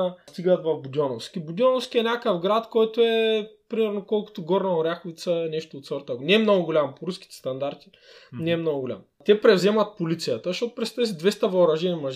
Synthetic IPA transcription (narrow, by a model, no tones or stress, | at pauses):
st̪iɡət̪vɐvbud̪ʲɔnofskʲibud̪ʲɔnofskʲiɛnʲakəfɡɾat̪kɔjt̪oɛpɾimɛɾnokɔlˠkʊ̥t̪ʊɡɔɾnɐoɾʲaxʊvit̪səɛnɛʃt̪oːt̪sɔɾt̪əknɛːmnoɡʊɡʊlʲampoɾuskʲi̥t̪ɛ̥st̪ɐnd̪aɾt̪i̥ | nɛːmnoɡʊɡʊlʲa̰m | t̪ɛpɾɛvzɛmɐt̪̚polit̪sijət̪əʃtot̪ʊ̥pɾɛst̪ɐvɛsid̪vɛst̪əvɐʊɾɐʒɛnimɐʒ